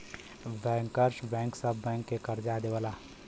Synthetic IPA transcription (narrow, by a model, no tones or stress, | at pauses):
bɛːŋkəɾʃbɛ̃ːŋksəbːɛ̃ːŋkːekəɾd͡ʒaːd̪eʋəːlaː